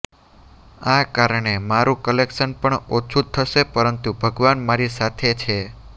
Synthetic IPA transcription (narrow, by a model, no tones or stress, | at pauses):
akaɾɳemaɾũkəlekʃənpəɳot͡ʃʰut̪ʰːəʃepəɾənt̪ubʱəɡʋanmaɾisat̪ʰet͡ʃʰe